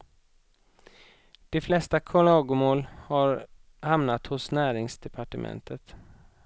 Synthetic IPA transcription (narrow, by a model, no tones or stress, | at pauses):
d̪̥ɛflɛst̪akʰɔlɑːɡʊmoːlhaɾ | hamnat̪hʊsnæːɾɪŋsd̪ɛpʰaʈəmʔɛ̰nt̪ʰət̪